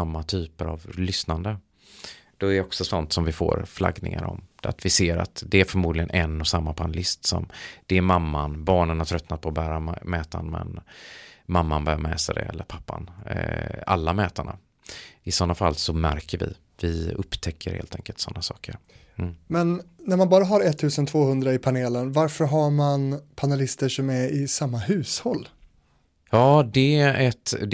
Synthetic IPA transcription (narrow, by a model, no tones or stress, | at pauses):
amːat̪ʰyːpəɾa̰vlʏsnand̪ə | d̪̥ɔɛɖɛɔksɔsɔnt̪sɔmvɪfo̰ːɾfla̰ɡnɪ̰ŋa̰ɾɔ̰md̪a̰t̪vɪseːɾa̰t̪d̪ɛæɾfœɾmuːd̪lɪɡənʔɛnːɔsamːapʰanəlɪst̪sɔ̰md̪̥ɛæɾmamːanbɑːɳənhat̪ʰɾœt̪nat̪̚pʰɔbæːɾamɛːt̪a̰nmɛ̰n | mamːanbœɾjamɛːsad̪ɛ̰ɛlːəɾpʰapːa̰n | a̰lːamɛːt̪aɳa̰ | ɪsɔnːafalːsɔmæɾkəɾvɪ̰ | vɪɵpːt̪ʰɛkʰːəɾhḛːlt̪ʰɛŋkəlt̪sɔnːasɑ̰ːkəɾ | mɛnːæɾmanbɑːɾaɦaɾɛt̪ʰːʉ̟ːsənt̪ʰvoːhɵnd̪ɾaɪpʰaneːlənvaɾfœɾɦaɾmanpʰanɛlɪst̪əʂɔmæɾɪsamːaɦʉ̟ːshɔlː | jɑːd̪ɛʔɛt̪d̪